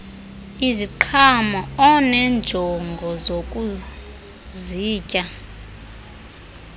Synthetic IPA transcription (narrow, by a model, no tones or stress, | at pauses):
iziǃʰamɔɔnɛnd͡ʒʱɔŋɡʱɔzokʼu | ziːcʼa